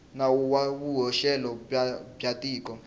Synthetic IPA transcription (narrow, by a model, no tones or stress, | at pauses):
nawuwakuɦɔʃɛlɔbatʼiːk̬ʼɔ